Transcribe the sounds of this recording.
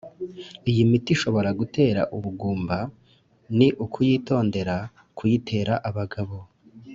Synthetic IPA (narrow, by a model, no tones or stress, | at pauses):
ijimitiʃo̞βo̞ɾaɡute̞ːɾa̰ʔuβuɡuːmba | niʔukʰujiːto̞ːnde̞ɾa | kʰujitʰe̞ːɾaʔaβaɡaβo̞